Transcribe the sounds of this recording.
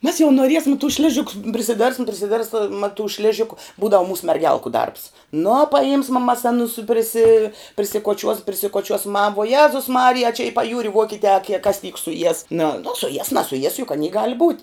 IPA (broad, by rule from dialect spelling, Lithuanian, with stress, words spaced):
mʲɛs jɛʊ noːˈrʲiɛsmɐ tʊs ˈʃʲlʲɪʒʲɪkʊs pʲrʲɪsʲɪˈdʲɛrʲpʲsʲɪm pʲrʲɪsʲɪˈdʲɛrpsmɐ tʊ ˈʃʲlʲæːʒʲɪkʊ ˈbuːdɐʋʊ ˈmuːsʊ mʲɛrʲˈɡʲɛlˠkʊ dɐrps nʊ pɐˈjɪmsmɐ ˈmɐs ɐˈnʊs pʲrʲɪˈsʲɪ pʲrʲɪsʲɪkoːˈt͡ʃʲuɔs pʲrʲɪsʲɪkoːˈt͡ʃʲuɔs mɐ ʋuɔ ˈjæːzʊs ˈmɑːrʲɪjɛ ɐ t͡ʃʲɛ ɪ pɐˈjuːrʲɪ ˈʋuɔkʲɪtʲɛː ɐ kʲiɛ kɐs tʲiːk sʊˈjiɛs nʊ nʊ sʊˈjiɛs nɐsʊˈjiɛs jʊk ɐˈnʲiː ɡɐlʲ buːtʲ